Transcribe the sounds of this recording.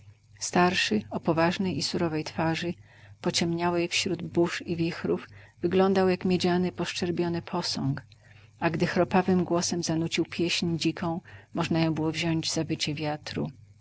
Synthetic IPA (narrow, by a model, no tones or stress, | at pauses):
st̪aɾʂɘɔpɔvaʐnɛjisuɾɔvɛjt̪faʐɘ | pɔt͡ɕɛmɲawɛjfɕɾud̪buʂivʲixɾuvvɘɡlɔnd̪awjakmʲjed͡ʑanɘpɔʂt͡ʂɛɾbʲjɔnɘpʰɔsɔŋk | aɡd̪ɘxɾɔpavɘmɡwɔsɛmzanut͡ɕiwpʲjɛɕɲd͡ʑikɔ̃w̃mɔʐnajɔ̃w̃bɘwɔvʑɔɲd͡ʑzabɘt͡ɕɛvʲjat̪ɾṵ